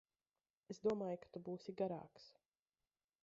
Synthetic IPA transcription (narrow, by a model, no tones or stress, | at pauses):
esd̪uɔmaːjkḁt̪ubuːsiɡaɾa̰ːks